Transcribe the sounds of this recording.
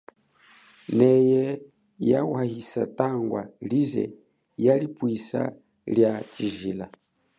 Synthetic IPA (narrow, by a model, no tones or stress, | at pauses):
nɛjɛ | jawahisataŋɡwalizɛ̰ | jalipwisa̰ | ljat͡ʃiʒila